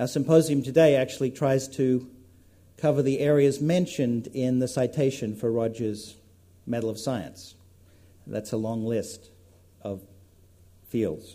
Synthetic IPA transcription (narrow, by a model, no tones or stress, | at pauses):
asɨ̃mpoʊziɨ̃mtʰɨdeɪæk̚t͡ʃʉl̩ˠitʰɹ̥aɪz̥tʰɨ | kʰʌvə˞ðiʔɛɹiɨzmɛ̃nʃɨ̃ndɪ̃nðɨsaɪtʰeɪʃɨ̃nfə˞ɹɑd͡ʒɨz | mɛɾl̩ˠʌv̥saɪɨ̰̃ns | ðætsəlɔ̃ŋlɪst | ʌv̥ | filˠdz̥